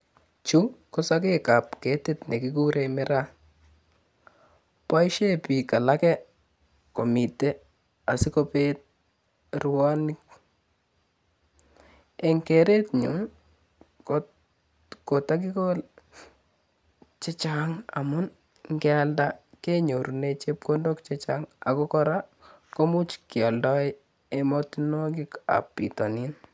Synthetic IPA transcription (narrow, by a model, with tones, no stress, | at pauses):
t͡ʃu˦kɔsak̬eka˨p̚ke˨˦te˦tne˨kiku˦ɾʔemɪɾa˦ | pa˦jʃe˦pi˨ka˨la˦kɛ˦ | ko˨mi˨tɛ˦ | a˨sɪ˦ko˦pet̚ | rwa˦nɪ˦k̚ | ɛ˨ŋkɛ˨ɾe˦tɲu˨n | ko˨tak̬i˦kol | t͡ʃe˦t͡ʃaŋa̰˨mʊ˦n | ŋɡɛaldakeɲo˨ɾu˨net͡ʃep̚kondokt͡ʃet͡ʃaŋa˨kɔ˦kɔɾa | ko˦mu˦t͡ʃkjɔ˨ldɔɪ | emɔtinɔk̬i˦ka̰˨pːḭ˨tɔnin